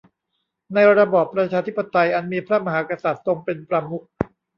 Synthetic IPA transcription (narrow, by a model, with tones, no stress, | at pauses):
na˧jɾa˧bɔː˨˩pːɾa˧t͡ɕʰaː˧t̪ʰi˦˥pːa˧t̪a˧jʔa˧nmiː˧pʰɾa˦˥˨ma˧ɦaː˩˦ka˧sa˨˩t̪̚ːo˧ŋpe˧npɾa˧mu˦˥k̚